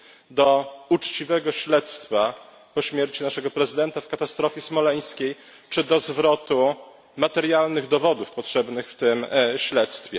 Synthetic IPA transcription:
d̪ɔut͡ʂt͡ɕivɛɡɔɕlɛt̪st̪fa | pɔɕmʲjɛɾt͡ɕinaʂɛɡɔpɾɛzɘd̪ɛnt̪afkat̪ast̪ɾɔfʲɛsmɔlɛj̃skʲej | t͡ʂɘd̪ɔzvɾɔt̪u | mat̪ɛɾjalnɘɣd̪ɔvɔd̪ufpɔtʂɛbnɘxft̪ɘmɕlɛt̪st̪fʲjɛ

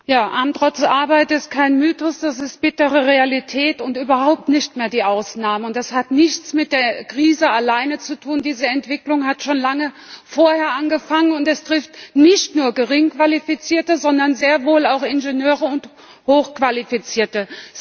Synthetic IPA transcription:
jaːʔamtʁɔt͡sʔaɐbaɪtɪst̚kʰaɪnmyːtɔsd̥as̬ɪst̚b̥ɪtəʁəʁealitʰɛːtʊntyːbɐhaʊp̚tnɪçtmeːɐdiːʔaʊsnaːməʊnt̚d̥ashatnɪçt͡smɪt̚d̥eːɐkʁ̥iːzəalaɪnət͡sutʰuːndiːzəɛntv̥ɪklʊŋhatʃoːnlaŋə | foːɐheːɐʔanɡəfaŋənʊntɛstʁ̥ɪftnɪçtnuːɐɡəʁɪŋkv̥alifit͡siːɐtəzɔndɐnzeːɐvoːlaʊxɪnʒenjøːʁəʊnt | hoːxkv̥alifit͡siːɐtə

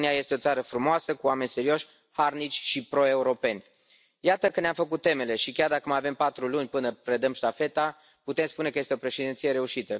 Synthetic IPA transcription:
niaje̞st̪eo̞t̪saɾəfɾumoasəkuame̞nʲse̞ɾio̞ʃʲ | harnit͡ʃʲʃipɾo̞e̞uɾo̞pe̞nʲ | jat̪əkɨnneamfəkut̪ːe̞me̞le̞ʃikʲard̪akəmajave̞mpat̪ɾulunʲpɨnəpɾe̞d̪əmʃt̪afe̞t̪a | put̪e̞mspune̞kəje̞st̪eo̞pɾe̞ʃed̪int̪sije̞ɾe̞uʃit̪ə

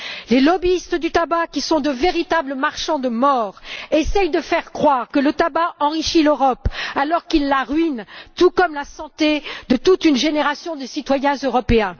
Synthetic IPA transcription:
lelɔbiist̪d̪yt̪abakʲisɔ̃d̪əveʁit̪abləmaʁʃɑ̃d̪əmɔːʁesɛjd̪əfɛʁkχwaʁkələt̪abaɑ̃ʁiʃiløʁɔpalɔʁkilːaʁɥint̪ukɔmlasɑ̃t̪ed̪ət̪ut̪ynʒeneʁasjɔ̃d̪esit̪wajɛ̃zøʁɔpeɛ̃

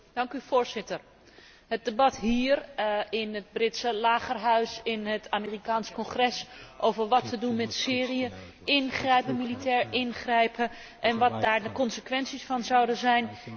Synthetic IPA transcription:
d̥ɑŋkyfoːɹzɪtər | ɦət̚debɑtɦiːrɪnəd̚brɪtsəlaːχərɦœɥsɪnɦətʰamiːrikaːnskɔnχrɛsʔowvəɹʋɑtʰədunmɛtsɪːriə | ʔɪnχrɛjpəmilitʰɛːɹɪnχrɛjpə | ʔɛnʋɑt̚daːɹdəkɔnsəkʋɛnsisfɑnzawdəzɛjn

